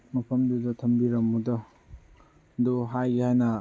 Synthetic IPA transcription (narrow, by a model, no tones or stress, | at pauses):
mɐpʰɐmdudɐtʰɐmbiɾɐmːudɐ | duɦajhajnɐ